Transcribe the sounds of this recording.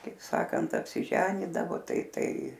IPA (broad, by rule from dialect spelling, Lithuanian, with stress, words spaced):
kɐɪp ˈsɑːkɐnt ɐpʲˈsʲɪʒʲɛnʲiːdɐʋoː ˈtɐɪ ˈtɐɪ